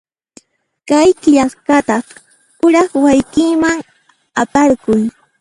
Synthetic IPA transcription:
kajkɪʎaskat̪ɑ | kʊɾɑχwajkɪːmaŋ | apaɾkʊj

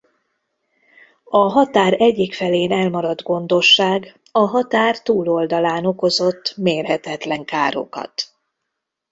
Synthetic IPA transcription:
ɒɦɒt̪aːɾɛɟːikfɛleːnɛlmɒɾɒd̪ɡo̞nd̪o̞ʃːaːɡ | ɒɦɒt̪aːrt̪uːlo̞ld̪ɒlaːno̞ko̞zo̞t̪ːmeːrɦɛt̪ɛt̪lɛŋkaːɾo̞̰kɒ̰t̪

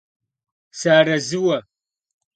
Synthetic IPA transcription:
saːɾɐzɨwɐ

